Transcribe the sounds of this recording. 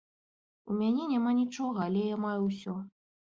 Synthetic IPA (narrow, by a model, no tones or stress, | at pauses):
umʲanʲɛnʲamanʲit͡ʂɔɣɐːlʲɛjamajuwsʲɔ